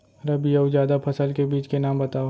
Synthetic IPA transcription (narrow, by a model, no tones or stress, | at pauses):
ɾɐbijɐud͡ʒjaːd̪apʰɐsəlkebiːt͡ʃkenaːmbɐt̪aː